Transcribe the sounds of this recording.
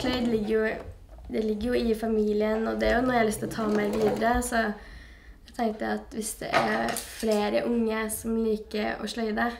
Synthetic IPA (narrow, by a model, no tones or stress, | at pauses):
ʂlœʏd̪lɪɡːəɾjʊ | d̪ɛlɪɡːəɾjʊɪfɑmiːlɪənɔd̪ɛæɾjʊnɔɾjælʏst̪ɪɔt̪ʰɑːmæɪʋiːd̪əɾəsɔ | ɛɡt̪ʰɛŋt̪əɾɑt̪ʋɪsd̪ɛ̰ʔæ̰ɾfleːɾəʔʊŋːəsɔmliːkəɾɔ̰ʂɭœʏd̪ə